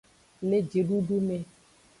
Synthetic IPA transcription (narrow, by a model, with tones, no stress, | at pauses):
le˦d͡ʒe˨ɖu˦ɖu˦mẽ˨